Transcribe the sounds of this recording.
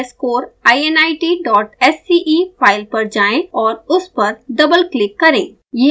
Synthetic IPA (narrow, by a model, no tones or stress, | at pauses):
skoːɾaːienaːɪʈiːɖɔːʈɛsːiʔiːpʰaːɪlpɐɾd͡ʒaːẽɔːɾʊspɐɾɖɐbəlklɪkːɐɾẽː | je